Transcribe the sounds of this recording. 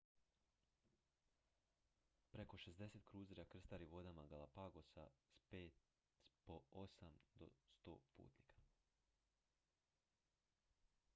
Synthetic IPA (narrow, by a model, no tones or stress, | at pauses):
pɾeko̞ʃezd̪e̞set̪kɾuːzɾakr̩st̪aɾiʋo̞d̪amaɡalˠapaɡosa̰speːt̪ | poosamd̪o̰st̪o̞̰ːpṵːt̪nikḁ